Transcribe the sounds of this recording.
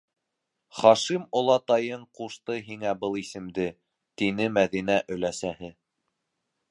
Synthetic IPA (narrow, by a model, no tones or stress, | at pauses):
χɑʃimŏlˠɑt̪ɑjɤɴquʃt̪ɤɦiŋæbɤlˠisɘ̆md̪ɘ | t̪inɘmæðinæʔɵ̆læsæhɘ